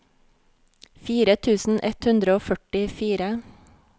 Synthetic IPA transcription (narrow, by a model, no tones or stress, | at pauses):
fiːɾət̪ʰʉːsn̩ʔɛt̪hʉnd̪ɾəoːfœʈɪfiːɾə